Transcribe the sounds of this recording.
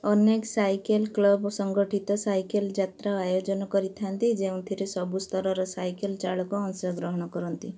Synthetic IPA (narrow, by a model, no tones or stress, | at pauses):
ɔneksajkelklɔbsɔŋɡɔʈit̪ɔsajkeld͡ʒat̪ɾaajod͡ʒɔnɔkɔɾit̪ʰant̪id͡ʒeũt̪ʰiɾesɔbust̪ʰɔɾɔɾɔsajkelt͡ʃaɭɔkɔɔŋsɔɡɾɔɦɔɽ̃ɔkɔɾɔnt̪i